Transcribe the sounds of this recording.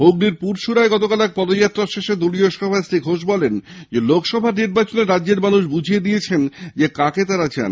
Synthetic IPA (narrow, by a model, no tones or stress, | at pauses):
ɦoɡniɾpuɾʃuɾaeɡɔt̪okalɛk̚pɔd̪ojat̪ːɾaʃeʃed̪ulioʃɔbʱaesɾiɡʱoʃbɔlend͡ʑelokʰʃɔbʱaɾniɾbat͡ɕoneɾadːʑeɾmanuʃbud͡ʑʱijed̪iet͡ɕʰend͡ʑekaket̪aɾat͡ɕa̰n